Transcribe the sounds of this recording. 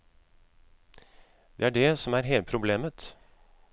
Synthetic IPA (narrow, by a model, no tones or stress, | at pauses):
d̪̥eːæɖɛsɔmæɾɦeːl̚pʰɾʊbleːmət̪